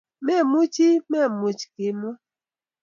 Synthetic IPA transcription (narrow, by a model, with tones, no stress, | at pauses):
me˦˨mu˦t͡ʃi˦me˦˨mu˨t͡ʃi̥˨ki˦m˦ɔ˦